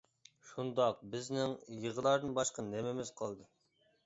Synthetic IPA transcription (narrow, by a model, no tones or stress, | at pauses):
ʃund̪ɑq̚bɪznɪŋjəʁəlˠɑɾd̪ɨnbɑʃqɑnemɪmɪzqʰɑlˠd̪ɨ